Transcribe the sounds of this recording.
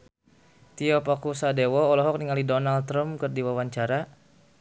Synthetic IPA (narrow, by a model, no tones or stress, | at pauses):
t̪iɔpɔkusadewɔːlɔɦɔk̚niŋalidɔnalt̪ɾəmkɨrdiwawaɲt͡ʃaɾa